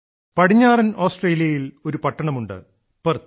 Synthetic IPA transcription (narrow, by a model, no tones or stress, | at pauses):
pɐɽiɲːaːrɐno̞ːsʈreːlijɐjilo̞ɾupɐʈːɐɳɐmuɳɖɨ̰ | pɐr